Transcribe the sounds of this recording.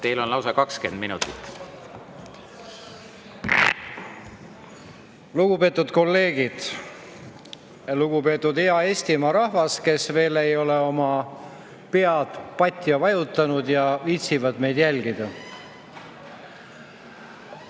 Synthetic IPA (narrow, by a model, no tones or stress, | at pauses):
t̪e̞jlo̞nlɑwsɑkɑkske̞̰nd̪minut̪ːˑit̪ːˑ | luɡ̥upe̞ːt̪ːˑud̪̥ko̞lːe̞ːɡid̪̥ | luɡupe̞ːt̪ːˑud̪eɑe̞ːst̪imɑːɾɑhvɑske̞sve̞ːle̞jo̞leo̞mɑ | pe̞ɑd̪̥pɑt̪ʲːˑjɑvɑjut̪ːˑɑnud̪jɑviːt̪sivɑd̪me̞jd̪̥jælʲɡid̪̥ɑ